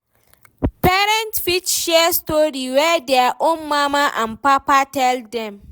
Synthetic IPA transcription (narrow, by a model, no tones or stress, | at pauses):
pɛɾɛntfit͡ʃʃɛstoɾiwɛdɛaʔomːamaʔãmpapatɛldɛm